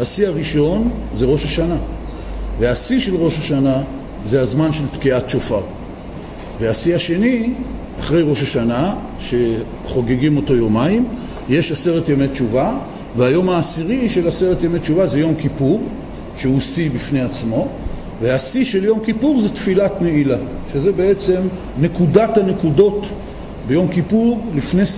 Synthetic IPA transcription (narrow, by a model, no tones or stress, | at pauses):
asiaʁiʃo̞nzeʁo̞ʃaʃana | veasiʃe̞lʁo̞ʃaʃana | ze̞azmanʃe̞lt̪kiatt͡ʃofaʁ | ve̞asiaʃe̞niʔaχʁe̞jʁo̞ʃaʃana | ʃe̞ | χo̞ɡeɡimo̞to̞jo̞maim | je̞ʃase̞ʁetjemet͡ʃuva | veajo̞maːsiʁiʃe̞lase̞ʁetjemet͡ʃuvaze̞jo̞mkipuʁ | ʃeusibifnejat͡smo̞ | veasiʃe̞ljo̞mkipuʁzetfilatneilaʃezebeet͡se̞m | nekudathane̞kudo̞t | be̞jo̞mkipuʁlifne